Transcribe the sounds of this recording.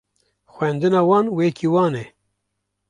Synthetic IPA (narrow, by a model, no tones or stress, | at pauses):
xʷwɛnd̪ɨnɑːwɑːnwekʰiwɑːnɛ